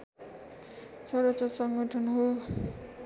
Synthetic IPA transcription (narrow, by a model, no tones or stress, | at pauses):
t͡sʰʌɾʌt͡sʌsʌŋɡʌʈʰʌnɦo